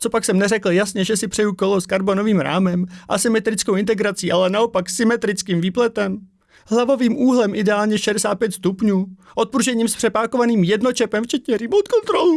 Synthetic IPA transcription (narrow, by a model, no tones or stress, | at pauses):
t͡so̞paksɛmnɛrɛkl̩jasɲɛʒɛsɪpr̥ɛjuko̞lo̞skaɾbo̞no̞viːmɾa̰ːmɛmʔasɪmɛt̪ɾɪt͡skowʔɪnt̪ɛɡɾat͡siːʔalɛnao̞paksɪmɛt̪ɾɪt͡skiːmviːplɛt̪ɛm | ɦlavo̞viːmʔuːɦlɛmʔɪdɛaːlɲɛʃɛdɛsaːt̪̚pjɛt̪st̪upɲuːʔo̞t̪̚pɾuʒɛɲiːmspr̥ɛpaːko̞vaniːmjɛdno̞t͡ʃɛpɛmft͡ʃɛt̪ɲɛɾimot̪̚kont̪ɾolu